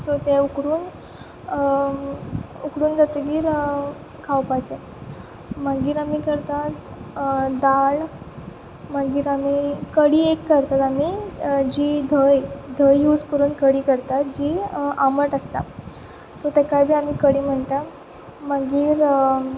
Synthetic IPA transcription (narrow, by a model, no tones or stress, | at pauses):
sot̪ɛukɽuːn | ukɽuːnd͡zət̪əɡiːɾ | kʰawpajt͡ɕe | maɡiːɾamikəɾt̪at̪ | d̪aɭ | maɡiːɾamikəɽiːekːəɾt̪at̪amid͡ʑiːd̪ʱəjd̪ʱəjːud͡zkəɾuːnkəɽiːkəɾt̪at̪d͡ʑiaməʈəst̪a̰ | sot̪ɛkajbʱiːamiːkəɽiːm̤əɳt̪a | maɡiːɾ